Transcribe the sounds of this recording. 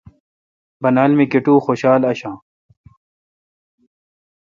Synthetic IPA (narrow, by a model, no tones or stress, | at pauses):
bɐnaːlmikeʈũːxoːɕaːlɐɕãː